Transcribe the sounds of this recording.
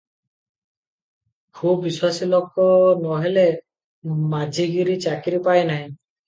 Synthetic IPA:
kʰupːiswasilɔkɔnɔɦele | mad͡ʒʱiɡiɾit͡ʃakiɾipajnaɦĩ

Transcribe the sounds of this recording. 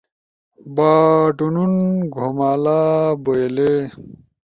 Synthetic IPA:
baːʈununɡʱomaːlaːboele

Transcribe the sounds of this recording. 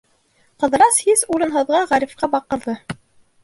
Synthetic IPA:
qɤ̆ðɾɑshizuɾɤ̆nɦɤ̆ðʁɑʁɑɾʲifqɑbɑqɤ̆ɾðɤ

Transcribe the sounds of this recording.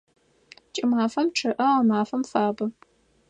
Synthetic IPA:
t͡ʃʼɪmaːfɐmʈ͡ʂʰɨʔɐʁɐmaːfɐmfaːbɐ

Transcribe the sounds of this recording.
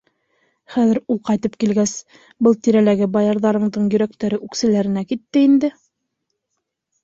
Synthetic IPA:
χæðɘ̆ɾulˠqɑjt̪ɤp̚kilɡæs | bɤlˠt̪iɾælæɡɘbɑjɑɾðɑɾɤ̆ɴd̪ɤɴjɵ̆ɾæk̚t̪æɾɘʔʉksɘ̆læɾɘ̆nækit̪ːɘind̪ɘ

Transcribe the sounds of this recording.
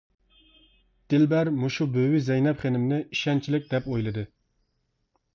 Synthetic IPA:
d̪̥ɪlbæɾmuʃubøwizɛjnɛpχenɪmnɪiʃɛnt͡ʃʰilɪk̚ʲd̪ɛpojlˠɨd̪ɨ

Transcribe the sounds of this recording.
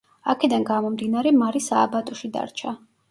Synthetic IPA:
akʰɛd̪anɡamɔmd̪inaɾɛmaɾisaːbat̪ʼɔʃid̪a̰ɾt͡ʃʰa

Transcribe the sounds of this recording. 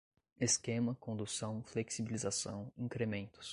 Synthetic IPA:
eskẽmɐkõnd̪usɐ̃w̃fleksibilizasɐ̰̃w̃ĩŋkɾemẽnt̪ʊ̥s

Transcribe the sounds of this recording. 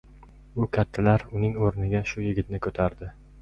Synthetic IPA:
ʊkʲʰat̪ʰːalaɾʊnɪŋoɾnɪɡʲaʃʊjɪɡʲɪt̪nɪkʰɵt̪ʰaɾd̪ɪ

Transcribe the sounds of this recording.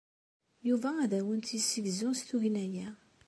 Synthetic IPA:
juvææðæwənt̪isivzũst̪uɦinæjæ

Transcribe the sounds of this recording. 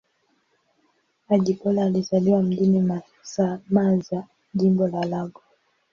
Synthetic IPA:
aɟikɔlaːlizaliwam̩dinima | samaza | ʄimbɔlalaɡɔ

